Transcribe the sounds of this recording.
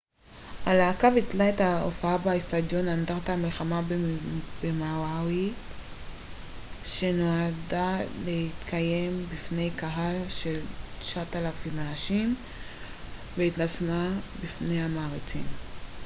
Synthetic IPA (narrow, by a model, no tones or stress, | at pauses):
ʔalaːkavit͡slaethao̰faabaist̪ad̪jo̞nand̪aʁt̪aamilχamabbemawawi | ʃe̞noadalehit̪kʰaje̞mbifne̞jkaɦalʃe̞lʃaat̪alafimanaʃim | veit̪nasmabifnejamaːʁit͡sḭm